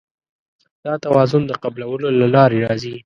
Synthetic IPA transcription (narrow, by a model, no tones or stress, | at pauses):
d̪̥ɑt̪awɑzʊnd̪əqablawəlolalɑɾeɾɑzi